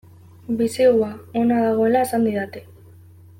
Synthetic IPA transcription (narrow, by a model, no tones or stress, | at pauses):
bisiɣuaonaðaɣ̞o̞e̞laesand̪iðat̪e